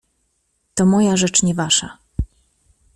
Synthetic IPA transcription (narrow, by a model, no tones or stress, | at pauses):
t̪ɔmɔjaʐɛt͡ʂɲɛvaʂa̰